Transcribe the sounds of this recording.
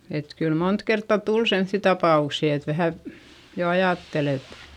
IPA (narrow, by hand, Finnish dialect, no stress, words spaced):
et kyl mont kertːɑ tul semθːi tɑpɑˑuksi et ʋæhæ jo ɑjɑˑtːel et